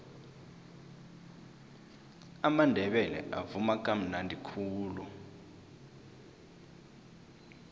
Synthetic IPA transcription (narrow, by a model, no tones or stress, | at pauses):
amandʱɛɓɛlɛ̰ʔavumak̬ʼam̩nandʱikʰuːlu